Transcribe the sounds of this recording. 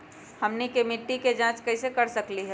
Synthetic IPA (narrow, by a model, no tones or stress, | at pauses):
həmnikemɪʈːiked͡ʒãːt͡ʃkəɪsekəɾsəkliɦɛ